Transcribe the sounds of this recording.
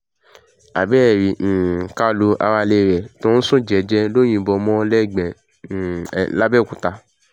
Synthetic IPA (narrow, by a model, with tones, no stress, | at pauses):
a̰˨bɛː˦˨ɾi˨ñ̩˨ka˦lo˧ʔa̰˧wa˧le˧˨ɾɛ˨tɔ̃˨˦ñ̩˦sũ˦˨d͡ʒɛ˨˦d͡ʒɛ˧lo˦j̃ĩ˧bɔ˧mɔ̃˦lɛ˦˨ɡ͡bɛ˨ | la˦bɛ˦˨kũ˨ta˧